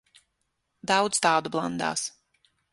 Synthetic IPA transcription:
d̪ɑwd̪zt̪ɑːd̪ublˠand̪a̰ːs

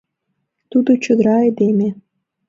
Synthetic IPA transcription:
t̪ud̪ot͡ɕŏd̪əɾɑed̪eme

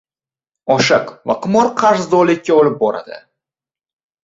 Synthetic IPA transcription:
ɒʃaqva̰qʊmɒɾqʰaɾzd̪ɒlɪkʲːaɒlɪp̚bɒɾa̰d̪ɪ̰

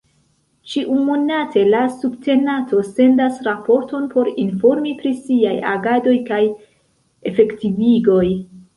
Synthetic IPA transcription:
t͡ʃiʔumonatʰe̞lasubte̞nato̞se̞ndasɾapo̞ɾto̞npʰo̞ɾinfo̞ɾmipɾisiaja̰ɡado̞jkaj | e̞fe̞ktiviɡo̞j

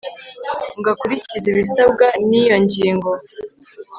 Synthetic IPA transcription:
ŋɡakuɾiciziβisab̚ɡanijo̞ɲɟiːŋɡo̞

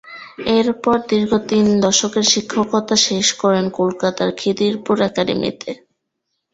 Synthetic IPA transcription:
eɾpɔɾd̪iɾɡʱot̪ind̪ɔʃokeɾʃikʰːokɔt̪aʃeʃkɔɾenkolkat̪aɾkʰid̪iɾpuɾɛkaɾḭmḭt̪ʰe

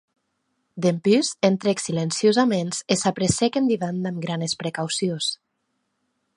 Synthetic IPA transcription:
d̪empyzent̪ɾeksilensjozamenzesapɾesekend̪iβand̪amɡɾanespɾekawsios

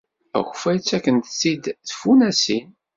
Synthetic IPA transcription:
æ̰xfæjt͡sːækːənt̪sid̪θfunæsin

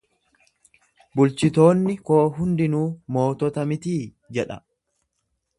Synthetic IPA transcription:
bʊlt͡ʃɪt̪o̞ːnːɪko̞ːɦʊnd̪ɪnuːmo̞ːt̪ɔt̪ɐmɪt̪iː | d͡ʒɛᶑɐ̰

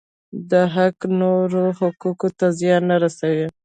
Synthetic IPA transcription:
d̪əɦaknoɾohʊkukot̪azjɑnːaɾasawi

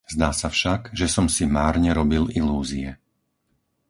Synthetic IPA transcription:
z̥d̪aːsafʃaɡʒɛsɔmsimaːɾɲɛɾɔbililuːziɛ

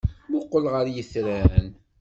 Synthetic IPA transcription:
mʊqːəlʁəɾjəθɾæn

